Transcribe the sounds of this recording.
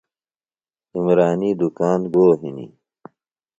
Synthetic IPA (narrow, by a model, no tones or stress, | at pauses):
imɾaːniːd̪ukaːnɡoːɦinḭ